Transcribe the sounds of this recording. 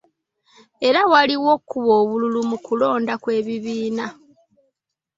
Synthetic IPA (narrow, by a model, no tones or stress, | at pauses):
e̞ɾawaliwo̞kːuβo̞ːβululumukulo̞ːndakwe̞ːβiβiːna